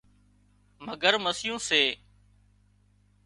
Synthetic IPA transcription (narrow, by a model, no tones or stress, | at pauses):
məɡəɾməsɪjũːseː